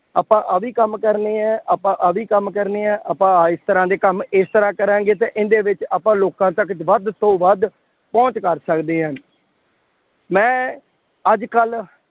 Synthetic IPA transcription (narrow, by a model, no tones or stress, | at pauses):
aːpãːʔəʋiːkəmkəɾneːɛ̃ːʔaːpãːʔəʋiːkəmkəɾneːɛ̃ːʔaːpãːɪst̪əɾãːd̪eːkəmɪst̪əɾãːkəɾãːŋɡeːt̪̬ẽːʔɪnd̪eːʋɪt͡ʃaːpãːloːkãːt̪əkʋəd̪t̪õːʋəd̪ | pɔ̃ːɲt͡ʃkəɾsəkd̪eːɦãː | mɛ̃ː | əd͡ʒkəl